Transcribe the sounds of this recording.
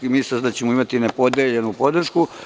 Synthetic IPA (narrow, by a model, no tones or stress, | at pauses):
imisazd̪at͡ɕe̞moimat̪inepo̞d̪eʎe̞nupo̞d̪r̩ʃku